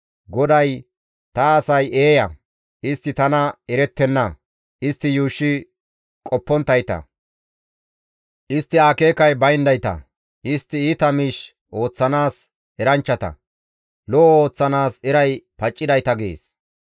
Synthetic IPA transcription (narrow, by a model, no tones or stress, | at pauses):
ɡɔd̪ɐj | t̪ɐːsɐje̞ːjɐ | ʔɪst̪ːɪt̪ɐnɐɛɾɛt̪ːɛnːɐ | ʔɪst̪ːɪjuːʃːɪ | kʼɔpːɔnt̪ːɐjt̪ɐ̰ | ʔɪst̪ːɪaːke̞ːkɐjbɐjnd̪ɐjt̪ɐ̰ | ʔɪst̪ːɪiːt̪ɐmɪʃ | ʔo̞ːt͡sːɐnaːs | ɛɾɐnt͡ʃːɐt̪ɐ̰ | lɔʔo̞ːt͡sːɐnaːsɛɾɐjpɐt͡ʃʼːɪd̪ɐjt̪ɐɡḛːs